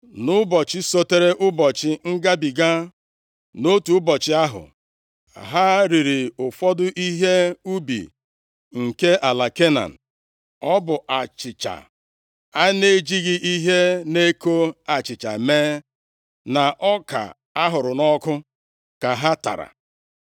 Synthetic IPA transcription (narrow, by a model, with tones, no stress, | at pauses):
nʊ˦bɔ˨t͡ʃɪ˦so˦te˦ɾe˦ʔʊ˦bɔ˨t͡ʃɪ˨ŋ̩˦ɡa˦bi˨ɡa˦ | no˦tu˨ʊ˦bɔ˨t͡ʃɪ˦a˦ɦʊ̰˨ | ɦa˦ɾi˨ɾi˨ʊ˨fɔ˦dʊ˦ʔi˦ɦe˦u˦bḭ˨ | ŋ̩˨ke˦ʔa˨la˨ke˦na̰˨n̩˨ | ɔ˦bʊ˨ʔa˨t͡ʃɪ˨t͡ʃa̰˨ | a˦ne˦d͡ʒi˦ɣi˦ʔi˦ɦe˦ne˦ko˦a˨t͡ʃɪ˨t͡ʃa̰˨meː˦ | na˨ʔɔ˦ka̰˨ | a˦ɦʊ˨ɾʊ˨nɔ˦kʊ˦ | ka˨ɦa˦ta̰˨ɾa̰˨